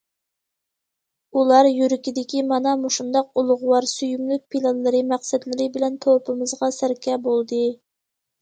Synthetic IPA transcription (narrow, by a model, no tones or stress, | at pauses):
ulˠɑɾjyɾɪkʲid̪ɪkʲimɑnɑmuʃund̪ɑq̚ulˠʊʁʊwɑɾsyjymlyk̚ʲpʰilˠɑnlɨɾɨmæqsɛd̪lɪɾɪbɪlɛnt̪ʰopʰɨmɨzʁɑsæɾkʲɛbolˠd̪ɨ